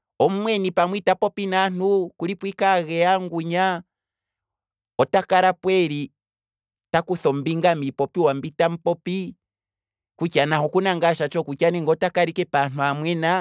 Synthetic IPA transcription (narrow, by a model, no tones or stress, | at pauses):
ɔm̩mwɛnipamwitapɔpinan̥ukulipwikaɣɛaŋɡuɲa | ɔtakaɾapwɛɾi | takuθɔmbiŋɡamipɔpiwambitam̩pɔpi | kut͡ʃanaɦɔkunaŋɡaʃat͡ʃɔkukaniŋɡɔtakaɾikɛpan̥uamwɛna